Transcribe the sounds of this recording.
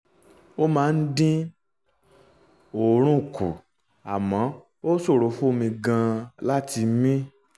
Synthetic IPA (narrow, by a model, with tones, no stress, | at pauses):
o˦mãː˦˧n̩˦dĩ˦ | o˨˦ɾ̃ũ˦˨kṵ˨ | a̰˨mã˨˦ | o˦so˦˨ɾo˨˦fũ˦o˧mĩ˧ɡã˧la˦ti˧˦mĩ˦